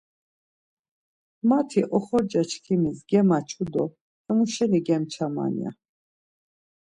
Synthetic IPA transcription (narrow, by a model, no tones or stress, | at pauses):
mat̪ʰiʔɔχɔɾd͡ʒat͡ʃʰkʰimisɡɛmat͡ʃʰud̪ɔ | hɛmuʃɛniɡɛmt͡ʃʰama̰nḭa̰